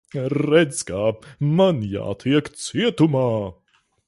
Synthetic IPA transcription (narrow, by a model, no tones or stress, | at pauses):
ɾɛz̥kaːmanja̰ːt̪ʰiɛkt̪siɛt̪umaː